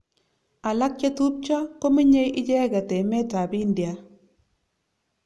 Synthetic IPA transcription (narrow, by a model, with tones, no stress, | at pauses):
a˨la˦k̚t͡ʃe˦tu˦p̚t͡ʃɔ˦ko˦mi˦ɲe˦jʔɪ˦t͡ʃɛ˦ɡa˨tɛ˨mɛ˦ta˨bi˦ndja˨